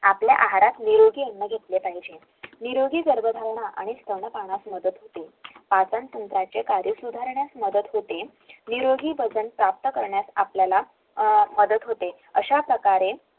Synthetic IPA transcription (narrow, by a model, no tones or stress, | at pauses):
apljaʔaɦaɾat̪niɾoɡiːenːəɡʱet̪lepaɦid͡ʑe | niɾoɡiːɡəɾbəd̪ʱalɳaʔa̰ɽ̃ist̪ʰəɳəpaɳ̃asməd̪ət̪ɦot̪epat͡sãnsənt̪ɾat͡ɕekaɾjəsud̪ʱaɾɳjasməd̪ət̪ɦot̪e | niɾoɡʱiːbəd͡zənpɾap̚t̪əkəɾɳjasapljala | məd̪ət̪ɦot̪e | əɕapɾəkaɾe